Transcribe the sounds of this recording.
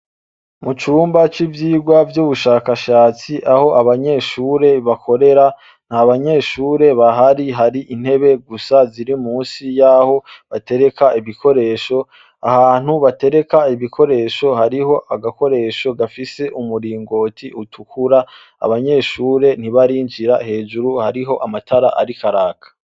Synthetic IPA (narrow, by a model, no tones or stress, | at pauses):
mut͡ʃuːmbat͡ʃivjiːɡwavjuβuʃaːkaʃaːt͡siʔaho̞ʔaβaɲe̞ːʃuːɾe̞βakʰo̞ɾe̞ɾa | n̥haβaɲe̞ːʃuːɾe̞βaɦaɾiɦaɾiʔin̥he̞βe̞ɡusaziɾimuːnsijaho̞βate̞ɾe̞kaiβikʰo̞ɾe̞ːʃo̞ | a̰haːn̥huβate̞ɾe̞kaiβikʰo̞ɾe̞ʃo̞haɾiho̞ʔaɡako̞ɾe̞ːʃo̞ɡafise̞ʔumuɾiːŋɡo̞ːtʰiʔutʰukʰuɾa | a̰βaɲe̞ːʃuːɾe̞n̥iβaɾiːɲd͡ʒiɾahe̞ːd͡ʒuɾuhaɾiɦo̞ʔamatʰaɾaʔa̰ɾikʰaɾaːkʰḁ